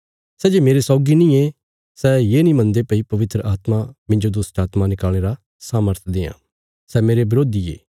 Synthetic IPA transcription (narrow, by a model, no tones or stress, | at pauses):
sɛd͡ʒeːmeːɾesɔːɡinĩe | sɛjeːnĩmɐ̃nd̪epɐipɐʋɪt̪ɾəʔaːt̪mamɪ̃ɲd͡ʒod̪ʊsʈaːt̪manɪkaːl̃eɾa | saːməɾt̪ʰd̪eːã̰ː | sɛmeːɾebɪɾoːd̪iḛː